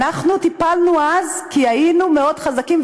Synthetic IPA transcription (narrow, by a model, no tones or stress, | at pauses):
aχnut̪ipalnuazkiainumeo̞dχazakim